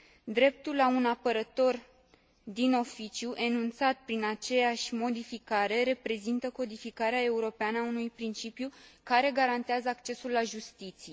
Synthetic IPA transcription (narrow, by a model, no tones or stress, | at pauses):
d̪ɾe̞p̚t̪ulːaunapəɾət̪o̞r | d̪ino̞fit͡ʃjuʔe̞nunt̪sat̪̚pɾinat͡ʃe̞jaʃʲmo̞d̪ifikaɾe̞ɾe̞pɾe̞zint̪əko̞d̪ifikaɾeae̞uɾo̞peanəaunujpɾint͡ʃipjukaɾe̞ɡaɾant̪eazəakt͡ʃe̞sulːaʒust̪it̪sije